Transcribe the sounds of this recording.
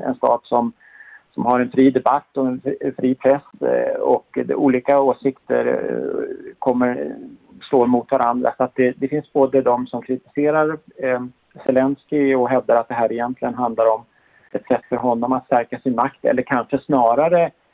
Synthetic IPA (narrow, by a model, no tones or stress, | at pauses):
ɛ̰nst̪ɑ̰ːd̪sɔm | sɔmhaɾɛnfɾiːd̪ɛbat̪ːɔɛnfɾiːpʰɾɛsɔkd̪ɛ̰ʔuːliːkaoːsɪkt̪ə̰ɾ | kʰɔmːəɾʂloːmʊt̪vaɾand̪ɾa̰sɔat̪̚d̪ɛd̪ɛfɪnsboːd̪əd̪ɔmsɔmkʰɾɪt̪ɪ̥seːɾaɾ | sɛlɛnskɪɔɦɛvd̪aɾat̪̚d̪ɛɦæːɾɪjɛnt̪lɪɡənɦand̪laɾɔm | ɛt̪sɛt̪ːfœɾɦɔnːɔmat̪st̪æɾkasɪnmakt̪ɛ̰lːəɾkʰanʂəsnɑːɾaɾə